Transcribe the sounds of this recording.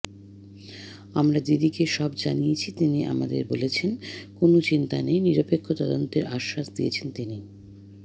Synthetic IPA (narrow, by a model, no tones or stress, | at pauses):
amɾad̪id̪ikeʃɔbd͡ʑanijet͡ɕʰit̪iniʔa̰mad̪ḛɾbolet͡ɕʰenkonot͡ɕint̪anejniɾopekʰːot̪ɔd̪ont̪eɾaʃːaʃd̪iet͡ɕʰent̪ini